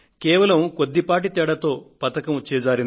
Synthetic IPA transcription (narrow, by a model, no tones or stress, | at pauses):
kɛːʋɐlɐmkod̪ːipaːʈit̪ɛɽɐt̪o̞ːpɐt̪ɐkɐmt͡ʃɛːd͡ʒaːɾin